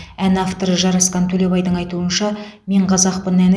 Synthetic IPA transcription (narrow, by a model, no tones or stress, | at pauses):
ænaft̪o̞ɾəʒɑɾɑsqɑnt̪ʰɵle̞bɑjd̪əɴɑjt̪uənʃɑme̞ɴqʰɑzɑq̚pənæn